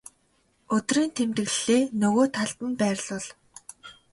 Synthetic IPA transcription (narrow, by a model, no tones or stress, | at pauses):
ɵt̪riːnt̪ʰemt̪ɘ̆ɮɮeːnɵɣoːt̪ʰaɮt̪ə̆mpæːrɮʊɮ